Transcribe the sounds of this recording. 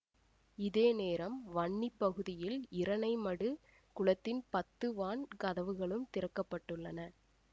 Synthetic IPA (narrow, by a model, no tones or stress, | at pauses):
ɪðeːneːɾɐmʋɐɳːipːɐɣɯðɪjɪlɪɾɐnɐɪmɐɽɯ | kʊɭɐt̪ːɪnpɐt̪ːɯʋaːɳkɐðɐʋɯɣɐɭɯmt̪ɪɾɐkːɐpːɐʈːɯɭːɐnɐ